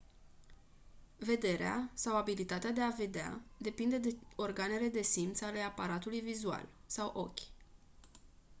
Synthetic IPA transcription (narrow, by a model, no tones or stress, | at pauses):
ve̞d̪e̞ɾea̰sawabilit̪at̪ead̪e̞ave̞d̪ea̰d̪e̞pind̪e̞d̪eo̞rɡane̞le̞d̪e̞simt̪sale̞apaɾat̪ulujvizua̰lsawʔo̞̰kʲ